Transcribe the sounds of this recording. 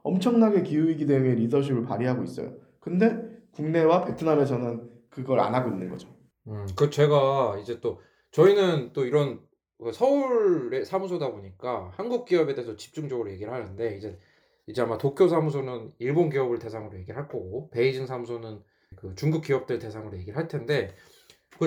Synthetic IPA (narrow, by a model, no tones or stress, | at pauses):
ʌmt͡ɕʰʌŋnaɡe̞kiuiɡide̞ɯŋe̞ɾidʌɕ̬ʰibɯɭpaɾiɦaɡois͈ʌ̰jo̰ | kɯnde̞kuŋne̞wape̞tʰɯname̞s̬ʰʌnɯn | kɯɡʌɾa̰nɦaɡoinːɯnɡʌd͡ʑo | ɯkɯt͡ɕe̞ɡaid͡ʑe̞t͈o | t͡ɕʌinɯnt͈oiɾʌn | ɯsʰʌuɭɭe̞sʰamusʰodaboɲik͈ahanɡuk̚k͈iʌbe̞deesʰʌt͡ɕi̥p̚t͡ɕ͈uŋd͡ʑʌɡɯɾoje̞ɡiɾɭhanɯnde̞id͡ʑe̞ | id͡ʑe̞amatokʰjosʰamusʰonɯniɭbonɡiʌbɯɭte̞sʰaŋɯɾoje̞ɡiɾɭɦaɭk͈ope̞id͡ʑiŋsʰamusʰonɯn | kɯt͡ɕuŋɡuk͈iʌp̚t͈ɯɭte̞sʰaŋɯɾoje̞ɡiɾɭɦaɭtʰe̞nde̞ | kɯ